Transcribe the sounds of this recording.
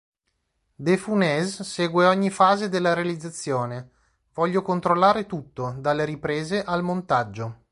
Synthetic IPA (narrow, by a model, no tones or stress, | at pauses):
d̪efunɛzsɛːɡweɔɲːifaːzed̪elːaɾealid̪zːat̪sːjoːne | vɔʎːokont̪ɾolːaːɾet̪ut̪ːod̪alːeɾipɾeːzeʔalmont̪ad͡ʒːo